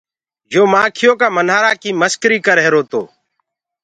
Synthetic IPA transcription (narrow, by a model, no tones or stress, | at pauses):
joːmaːkʰɪjoːkaːmənɦaːɾaːkiːməskɾiːkəɾɦeɾoːt̪o̰ː